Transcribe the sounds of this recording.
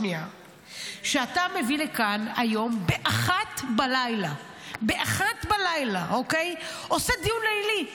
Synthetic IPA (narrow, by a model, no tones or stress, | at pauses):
nia | ʃeatame̞vilekanajo̞mbeʔaχat̪balajla | beʔaχat̪balajlaʔokejo̞sed̪ijunejli